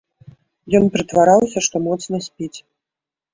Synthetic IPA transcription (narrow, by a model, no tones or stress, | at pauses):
jɔnpʲɾɨt̪vaɾawsʲɐʂt̪ɔmɔt̪snɐsʲpʲit͡sʲ